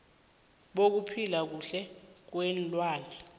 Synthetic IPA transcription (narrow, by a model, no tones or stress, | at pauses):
ɓok̬upʰilak̬uɬɛk̬wɛnlʼwaːnɛ